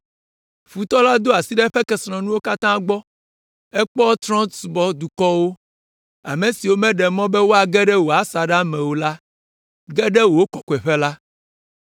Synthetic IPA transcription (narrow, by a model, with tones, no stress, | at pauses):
ɸu˨t̪ɔ˦la˦d̪o˦a˨si˦ɖɛ˦ɸɛ˦kɛ˨sɾɔ̃˨nũ˦wo˦ka˦t̪ã˦ɡ͡bɔ˦ | ɛ˦k͡pɔ˦t̪ɾɔ̃˦t̪su˨bɔ˦d̪u˨kɔ˦wo˦ | a̰˨mẽ˨si˨wo˦mɛ̃˦ɖɛ˨mɔ̃˦bɛ˦wo˦a˨ɡɛ˦ɖɛ˦wo˨a˨sa˨ɖa˦mɛ̃˨wo˦la˦ | ɡɛ˦ɖɛ˦wo˨wo˦kɔ˨kɔ˨ɛ˨ɸɛ˦la˦